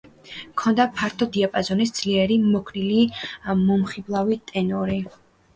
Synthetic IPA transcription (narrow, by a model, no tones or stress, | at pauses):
kʰɔnd̪apʰaɾt̪ʰɔd̪iapʼazɔnisd̪z̥liɛɾimɔkʰɾilimɔmχiblˠavit̪ʼɛnɔɾi